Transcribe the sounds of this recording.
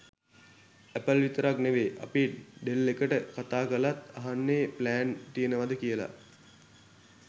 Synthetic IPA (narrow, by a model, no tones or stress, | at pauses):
æpəlʋit̪əɾakneʋeːʔa̰piʈɖelːekəʈəkat̪aːkəlat̪aɦanːeːplæːnt̪ijənəʋad̪əkijəla̰